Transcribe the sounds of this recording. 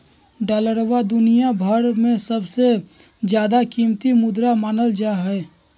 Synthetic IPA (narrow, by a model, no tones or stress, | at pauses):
ɖaːləɾwad̪ʊnijabʱəɽmẽsəbse | d͡ʒjaːd̪akiːmt̪imʊd̪ɾamaːnəld͡ʒaːɦɛː